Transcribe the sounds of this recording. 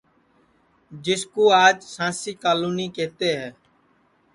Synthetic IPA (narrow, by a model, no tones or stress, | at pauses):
d͡ʒɪskoːaːd͡ʒsãːsiːkaːluːniːkeːt̪eːɦɛː